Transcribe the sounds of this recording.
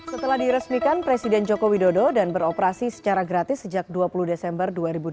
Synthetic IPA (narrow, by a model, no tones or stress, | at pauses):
sət̪əlahdiɾəsmikanpɾesidɛnd͡ʒokowidododanbəɾɔpəɾasisə̥t͡ʃaɾaɡɾat̪ɪsːəd͡ʒak̚duapuluhdesɛmbərduaɾibud